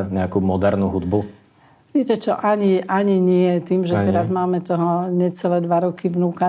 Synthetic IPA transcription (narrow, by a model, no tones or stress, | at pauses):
ɲɛakumɔd̪ɛɾnuɦud̪bu | iːcɛt͡ʃɔʔaɲiʔaɲiɲɪɛɛt̪iːmʒɛt̪ɛɾazmaːmɛt̪ɔɦɔɲɛt͡sɛlɛːd̪ʋaɾɔkiʋnuːka